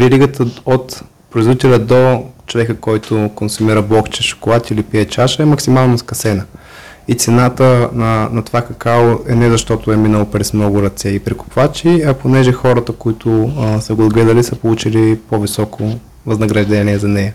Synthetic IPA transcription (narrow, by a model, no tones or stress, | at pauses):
vɛɾiɡət̪ʰəot̪ | pɾʊizvit̪ɛlʲɐd̪ot͡ʃovɛkəkɔjt̪ʊkonsumiɾəblˠɔkt͡ʃɛʃʊ̥kʊlˠat̪ʲilipiɛt͡ʃaʃəɛmɐksimalˠnoskɐsɛnə | it̪sɛnat̪ənɐnɐt̪ovakɐkaloɛnɛzɐʃt̪ɔt̪oɛminəlˠopɾɛsmnɔɡʊɾɐt̪sɛipɾikʊ̥pvat͡ʃiɐponɛʒɛxɔɾət̪əkoit̪ʰʊsɐɡod̪ɡlɛd̪əlisəpolˠut͡ʃilipovisɔkʰo | vɐznɐɡɾɐʒd̪ɛniɛzɐnɛjə